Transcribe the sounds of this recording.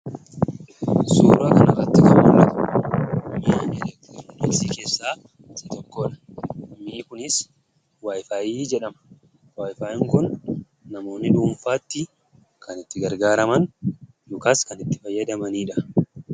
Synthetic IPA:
suːɾaːkɐnɐrːɐt̪ːɪkɐnmʊlːɐk̪ | miːanɛlɛkt̪iɾʊdɛlsiːke̞ːsːaː | sɪt̪ɔkːoːᶑɐ̥miːkʊnɪs | waːjfaːʔiːd͡ʒɛᶑɐmɐ̥ | waːjfaːʔɪŋkʊnː | ɐmo̞ːnːɪᶑuːɱfaːt̪ːɪ | kɐnɪt̪ːɪɡɐɾɡaːɾɐmɐn | jʊkaːskɐnɪt̪ːɪ̥fɐjːɐd̪ɐmɐniːᶑɐ

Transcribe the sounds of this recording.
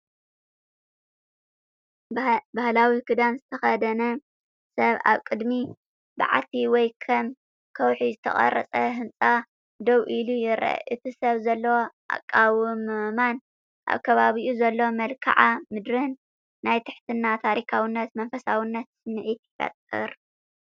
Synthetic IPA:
bahlawikʰɨd̪amzɨt̪ʰɐxɐd̪ɐnɐ | sɐβa̰βkʼɨd̪mi | ba̰ʕa̰t̪ʰiwɔjkʰɐm | kʰɐwħizɨt̪ʰɐ̰χʼɐ̰rːɐ̰t͡sʼɐɦɨnt͡sʼa | d̪ɐwʔilujɪɾʔɐ̰ʔɨt̪ʰisɐβzɐlːɐwoʔa̰kʼːawumɨman | ʔa̰βkʰɐβaβiʔuzɐlːo̞mɐlkʰa̰ʕamɨd̪ɾɨnː | ajt̪ʰɨħt̪ʰɨnːat̪ʰaɾikʰawinːɐt̪mɐnfɐsawinːɐt̪sɨnɨʕit̪ɪ̥fɐ̰t̪ʼːɨ̰ɾ

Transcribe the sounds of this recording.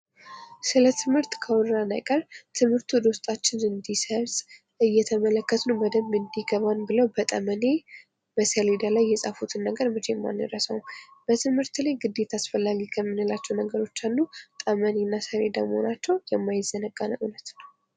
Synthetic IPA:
sɨlət̪ʰɨmhɨɾt̪kʰəwɔɾɾana̰jkʼəɾt̪ʰɨmhɨɾt̪ʰud̪o̞st̪ʼat͡ʃːɪnɨnd̪isəɾsʼ | ɨjːɛt̪ʰəmələkːət̪nəwbəd̪əmɨnd̪iɡəβanbɨləwbət̪ʼəməne | bəsəled̪alajːɛsʼafut̪ʰɨnːəɡəɾmɨt͡ʃʰemːa̰nːə̰ɾəsəwb̥ət̪ʰɨmhɨɾt̪lajɡɨd̪ːe̞t̪ʰasfəlːaɡikʰəmːɨnɨlat͡ʃːɛwnəɡəɾo̞t͡ʃːalːut̪ʼəmənenːasəled̪a̰məhonat͡ʃːɛwjɛmːajɪzːənəɡʼanəʔunət̪nəw

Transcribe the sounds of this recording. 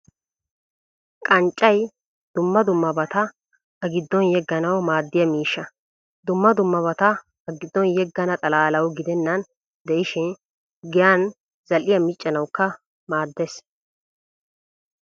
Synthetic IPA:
kkʼɐnt͡ʃʼːɐj | d̪̥ʊmːɐd̪ʊmːɐbɐt̪ɐ | ɐɡɪd̪ːɔnjɛɡːɐnɐwmaːd̪ːɪjɐmiːʃːɐ | d̪ʊmːɐd̪ʊmːɐβɐt̪ɐ | ɐɡɪd̪ːɔnjɛɡːɐnɐt̪ʼɐlaːlɐwɡɪd̪ɛnːɐn | d̪ɛʔɪʃɪn | ɡɪjan | z̥ɐlɪjɐmɪt͡ʃʼːɐnɐwkːɐ | maːd̪ːes

